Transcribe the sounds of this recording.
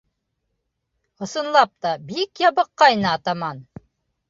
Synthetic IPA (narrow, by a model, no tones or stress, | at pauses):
ŏsɤ̆nlˠɑp̚t̪ɑbikjɑbɤqːɑjnɤɑt̪ɑmɑn